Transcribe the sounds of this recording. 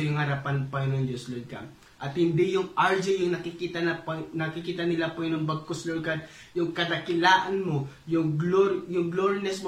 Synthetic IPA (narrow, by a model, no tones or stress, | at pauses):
jʊŋhɐɾapanpɐŋɪnond͡ʒoslod̪̚ka̰ | ʔɐt̪hɪnd̪ɪjʊŋaɹd͡ʒɪjʊŋnɐkɪkit̪annɐkɪkiːt̪ɐnɪlapoɪnoŋbɐɡ̚koslod̪̚kad̪̚ | jʊŋkɐd̪ɐkɪlaːʔɐnmo | jʊŋlojʊŋɡloɾinɛsmo